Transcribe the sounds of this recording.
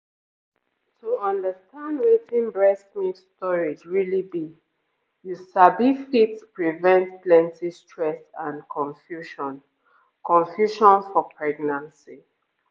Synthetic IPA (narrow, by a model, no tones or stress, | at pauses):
tʰuɔ̃ndəstʰãndɹitĩnbɹɛsmĩstɔɹid͡ʒɹilibi | jusabifitspɹivɛ̃ntplɛ̃ntistʰɹɛsãnkʰɔ̃ɱfjuʃɔ̃n | kʰɔ̃ɱfjuʃɔ̃nfɔpʰɹɛɡnãnsi